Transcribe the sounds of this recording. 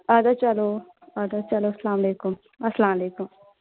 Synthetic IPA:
aːd̪at͡ʃɐloː | aːd̪at͡ʃɐloːɐslaːmɐleːkum | ɐslaːmɐleːkum

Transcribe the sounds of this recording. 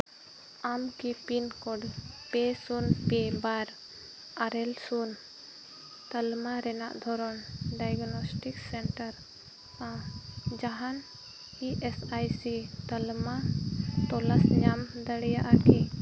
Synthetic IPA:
amkipinkɔɖpesunpebaɾ | aɾɛlsun | t̪əlmaɾɛna̰ʔd̪ʱɔɾɔnɖajɡnɔsʈiksɛɳʈəɾ | tãd͡ʒaɦan | iʔɛsajsit̪əlmat̪ɔlasɲamd̪əɽɛjaʔaki

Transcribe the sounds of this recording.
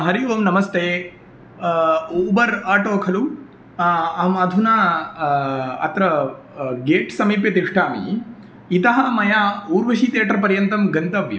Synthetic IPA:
ɦɐɾijuʋɐmnɐmɐst̪ʰeː | bɐɾaːʈoːkʰɐlu | ɐmɐd̪ʱunaː | ɐ̰t̪ɾɐ | ɡeːʈsɐmiːpjɐt̪iʂʈʰaːmḭ | it̪ɐɦɐmɐjaːuːɾʋɐʃit̪eːʈɐɾpɐɾjɐnt̪ɐmɡɐnt̪ɐʋjɐ̰

